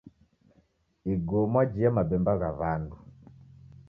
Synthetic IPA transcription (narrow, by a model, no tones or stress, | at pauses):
iɡɔmwad͡ʒiamabɛmbaɣaβandu